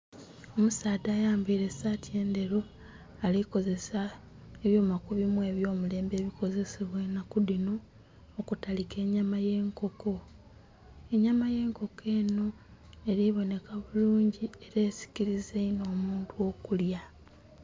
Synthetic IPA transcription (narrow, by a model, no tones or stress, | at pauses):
o̞musaːdaːjaːmbiːɾe̞satie̞ːnde̞ɾo̞ | aliko̞ze̞sa | eβjo̞ːmakuβimuwe̞βjo̞ːmule̞ːmbe̞ːβiko̞ze̞siβwenakudinoː | kutalike̞ːɲamaje̞ːŋko̞ko̞ | e̞ɲamaje̞ːŋko̞ke̞ːno̞ | eɾiβo̞ne̞kaβuluːɲɟie̞ɾeːsi̥ciɾizeino̞ːmuːntuo̞kulja